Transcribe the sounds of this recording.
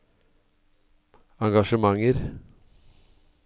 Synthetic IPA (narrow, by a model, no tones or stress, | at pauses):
ɑŋɡɑʃəmɑŋəɾ